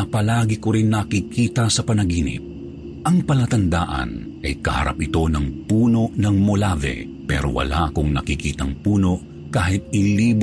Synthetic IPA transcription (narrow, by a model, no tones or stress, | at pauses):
ɐpɐlaːɡɪkoɾinːɐkikiːt̪ɐsɐpɐnɐɡiːnɪ̰p̚ | ʔɐŋpɐlɐt̪ɐnd̪a̰ːʔɐ̰n | ʔɐjkɐhɐ̰ɾa̰p̚ʔɪt̪o̞nɐŋpuːno̞nɐŋmolavɛ̰ | pɛ̰ːɾo̞̰wɐ̰la̰kʊŋnɐ̰kikiːt̪ɐŋpuːno̞ʔ | kaːɦɪt̪̚ɪliːb